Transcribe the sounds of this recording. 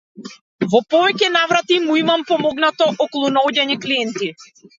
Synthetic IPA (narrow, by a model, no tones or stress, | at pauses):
vɔpɔvɛcɛnavɾat̪imuimampɔmɔɡnat̪ɔʔɔkɔlˠunaɔɟaɲɛkliɛnt̪i